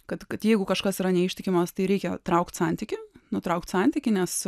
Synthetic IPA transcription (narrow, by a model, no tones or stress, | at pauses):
kɐt̪kɐt̪jɛɪɡʊkɐʃkɐsiɾɐnʲɛɪʃʲtʲɪkʲɪmɐst̪ɐɪɾʲɛɪkʲɛt̪ɾɐʊkt̪sɐnʲt̪ʲɪkʲɪnʊt̪ɾɐʊk̚t̪ʲsɐnʲt̪ʲɪkʲɪnʲɛs